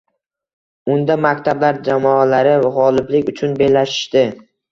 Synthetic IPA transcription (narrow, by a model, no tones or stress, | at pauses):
ʊnd̪amakʲt̪ʰablaɾd͡ʒamɒalaɾɪvaʁɒlˠɪblɪkʲʊt͡ʃʰʊnbelaʃɪ̥ʃt̪ɪ